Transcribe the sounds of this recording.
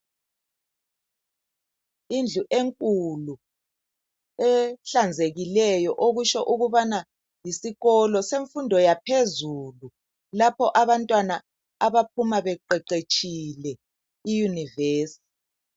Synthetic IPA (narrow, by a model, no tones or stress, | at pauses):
ind͡ɮʱuʔeŋkʼulu | ɛɬand͡zʱeɣilɛjɔʔoɣuʃɔʔuɣuβana | jisiɣɔlɔseɱfundʱɔjapʰezulu | lapʰɔʔaβantʼwana | aβapʰumaβɛǃɛǃet͡ʃʼilɛ | ijuniveːsi̥